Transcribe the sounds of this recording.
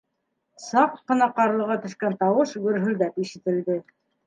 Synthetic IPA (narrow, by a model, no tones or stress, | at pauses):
sɑqːɤ̆nɑqɑɾlˠɤ̆ʁɑt̪ɵ̆ʃkænt̪ɑwɤʃɡɵ̆ɾɦɵ̆lɡ̪æpiʃit̪ɘ̆ld̪ɘ